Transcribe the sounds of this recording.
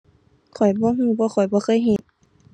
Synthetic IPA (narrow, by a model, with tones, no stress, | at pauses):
kʰɔ˨˩jbɔː˧˦ɦuː˧˩˨bɔː˧˦xʰɔ˨˩jbɔː˧˦xʰɤː˧˨jɦe˧˦t̪̚